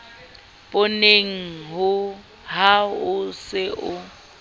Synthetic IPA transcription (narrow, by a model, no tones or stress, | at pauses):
pʼʊneŋ̩ɦʊ | ɦaʊsɪʔʊ